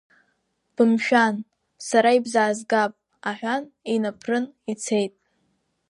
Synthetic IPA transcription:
b̥ɨmʃᶣan | saɾaibzaːzɡapʼ | aħʷᶣaninapʰrɨnit͡sʰe̞jtʼ

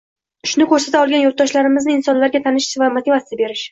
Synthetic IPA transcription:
ʃʊnɪkʰɵɾsat̪aɒlˠɡʲanjot̪̚d̪ɒʃlaɾɪmɪznɪɪnsɒnlaɾɡʲat̪ʰanɪʃɪ̥svamat̪ʰivasɪd̪abe̞ɾɪʃ

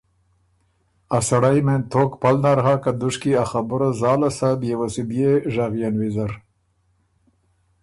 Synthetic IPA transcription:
asaɽajment̪ʰoːkpalnaɾɦakad̪ʊʂkiaxabʊɾazɑːlasad̪jewasib̪ijeʐaɣijanwizaɾ

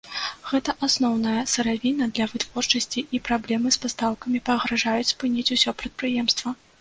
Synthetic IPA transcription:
ɣɛt̪ɐʔasnɔwnɐjɐsɨɾavʲinɐd̪lʲɐvɨt̪v̥ɔrt͡ʂɐsʲt͡sʲiipɾablʲɛmɨspast̪awkɐmʲipɐɣɾaʐajut͡sʲspɨnʲit͡sʲusʲɔpɾɐt̪̚pɾɨjɛmst̪vɐ

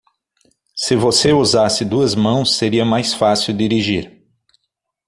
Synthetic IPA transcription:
sɪvoseuzasɪd̪uɐzmɐ̃w̃sːeɾiɐmajsfasiwd̪iɾiʒiɾ

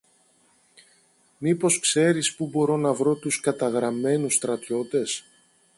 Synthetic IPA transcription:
mipo̞skse̞ɾispubo̞ɾo̞nɐvɾo̞t̪uskɐt̪ɐɣɾɐme̞nust̪ɾɐt̪ço̞t̪e̞s

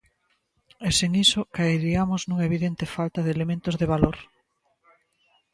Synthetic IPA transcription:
eseŋisokaeɾiamʊznũŋaeβiðent̪efalt̪aðelemẽnt̪ʊzðeβ̞aloɾ

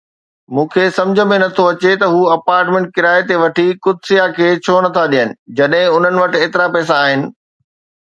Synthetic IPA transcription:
mũːkʰesɐ̃md͡ʑʱəmẽnɐt̪ʰoɐt͡ɕet̪ɐɦuːɐpaːɾʈmẽːɳʈ̚kɪɾaːet̪eʋɐʈʰikʊd̪sijakʰeːt͡ɕʰoːnɐt̪ʰaɗijənɪ̆d͡ʑɐɗɦɪ̃ʊn̤ənɪ̆ʋɐʈɪ̆eːt̪ɪɾapɛːs̬aːɦɪnɪ̆

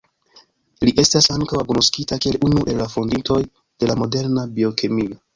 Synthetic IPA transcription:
liʔe̞stasaŋkawakunoskitakie̞lunuʔe̞lːafo̞ndinto̞j | d̥e̞lamo̞de̞ɾnabio̞kemio

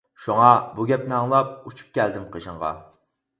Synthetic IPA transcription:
ʃuŋɑbuɡʲɛp̚nɪɑŋlˠɑp̚ut͡ʃʰu̥p̚kʲʰɛld̪ɪmqʰəʒɨŋʁɑ̰

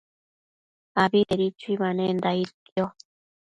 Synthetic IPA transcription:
abieɾit͡ʃuimanend̪ait̪jo

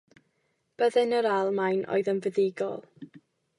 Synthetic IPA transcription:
b̥əðɛnəɾalˠmajnʔo̰ɨðənvəðɪɡɔ̰lˠ

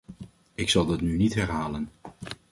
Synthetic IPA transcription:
ɪksɑlˠdɑtnynitɦɛɹɦaːlən

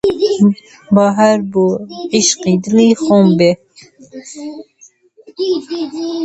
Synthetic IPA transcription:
bɑːɦaɾbuʕiʃqid̪ɨlixombe

